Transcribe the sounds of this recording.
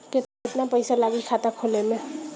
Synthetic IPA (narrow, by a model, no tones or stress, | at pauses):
ket̪aeʈnapəjsalaɡikʰat̪akʰoleme